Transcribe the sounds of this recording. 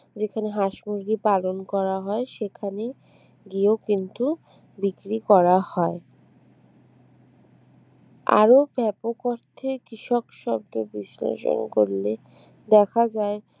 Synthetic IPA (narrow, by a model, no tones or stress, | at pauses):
d͡ʑekʰaneɦaʃmuɾɡipalonkɔɾaɦɔeʃekʰane | ɡiokint̪u | bikɾikɔɾahɔe | a̰ɾobʱɛpokoɾt̪ʰekɾiʃɔkʃɔbd̪obislḛʃo̰nko̰ɾle | d̪ɛkʰad͡ʑae